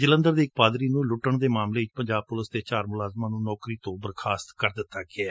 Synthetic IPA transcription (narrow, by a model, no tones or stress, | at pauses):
d͡ʒələ̃nd̪əɾd̪eːk̚paːd̪ɾiːnũːlʊʈːəɳd̪eːmaːmleːɪt͡ʃpəɲd͡ʒaːb̚pʊlɪsd̪eːt͡ʃaːɾmʊlaːzmaːnũːnɔːkɾiːt̪õːbəɾkʰaːst̪kəɾd̪ɪt̪ːaːɡɪɛː